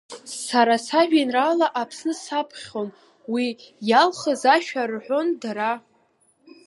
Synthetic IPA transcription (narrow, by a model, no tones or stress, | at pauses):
saɾasaʒᶣenralaʔapʰsnɨsapʰχʲo̞n | wijalχəzaʃᶣarħʷo̞ndaɾa